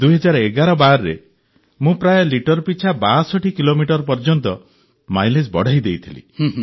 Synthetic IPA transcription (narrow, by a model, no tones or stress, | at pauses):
d̪uɦɔd͡ʒaɾeɡaɾɔbaɾːḛ | mũpɾajɔliʈɔɾpit͡ʃʰabasɔʈʰikilomiʈɔɾpɔɾd͡ʒɔnt̪ɔ | majles̬bɔ̰ɽ̤ʱajd̪ejt̪ʰilḭ